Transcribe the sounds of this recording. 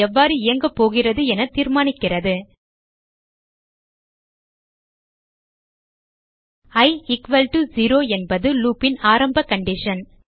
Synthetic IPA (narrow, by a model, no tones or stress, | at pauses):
ɛʋːaːɾɯɪjɐŋɡɐpːoːɣɪrɐðɯɛnɐt̪iːɾmaːnɪkːɪrɐðɯ | ɐɪɪkʋɐlʈuziɾoːɛnbɐðɯluːpɪnaːɾɐmbɐkɐɳɖɪʂɐn